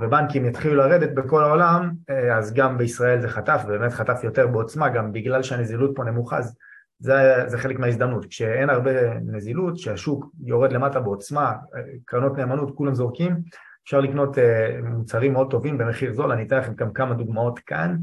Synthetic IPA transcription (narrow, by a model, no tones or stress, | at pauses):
vebaŋkimjat̪χilulaʁe̞d̪et̚beko̞laolamazɡambeisʁae̞lze̞χatafvebeme̞tχatafjo̞te̞ʁbeo̞t͡smaɡambiɡlalʃeane̞zilut̚po̞ne̞muχa̰z | zezeχe̞lekmeais̬d̪amnutkʃeenaʁbe̞nezilutʃeaʃukjo̞ʁed̪le̞matabeo̞t͡smakʁano̞tne̞ːmanutkulamzo̞ʁkim | efʃaʁlikno̞temut͡saʁimːeo̞d̚t̪o̞vimbe̞me̞χiʁzo̞lanit̪enlaχe̞mɡamkamad̪uɡmao̞tkʰa̰n